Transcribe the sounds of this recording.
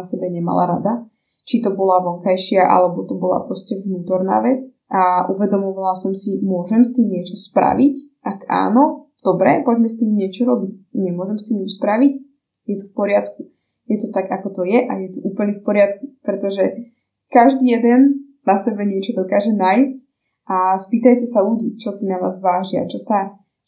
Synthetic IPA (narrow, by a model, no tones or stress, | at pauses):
asɛbɛɲɛma̰la̰ɾa̰d̪a | t͡ʃit̪ɔbɔlaʋɔŋkajʃɪaʔa̰lɛbɔt̪ɔbɔla̰pɾɔscɛʋnuːt̪ɔɾna̰ːʋɛt͡s | aʔuʋɛd̪ɔmɔʋalasɔmsimʊɔʒɛmst̪iːmɲɪɛt͡ʃɔspɾa̰ʋicʔakʔa̰ːnɔd̪̥ɔbɾɛpɔɟmɛst̪iːmɲɪɛt͡ʃɔɾɔbic̚ɲɛmʊɔʒɛmst̪iːmit͡ʃspɾaʋic̚ | jɛt̪ɔfpɔɾɪat̪ku | jɛt̪ɔt̪aɡakɔt̪ɔjɛʔajɛt̪uʔuːpl̩ɲɛfpɔɾɪat̪kupɾɛt̪ɔʒɛ | kaʒd̪iːjɛd̪ɛn | nasɛbɛɲɪɛt͡ʃɔd̪ɔkaːʒɛnaːjsc̚ | ʔaspiːt̪ajcɛsaluɟiːt͡ʃɔsinaʋa̰ːzʋaːʒia̰t͡ʃɔsa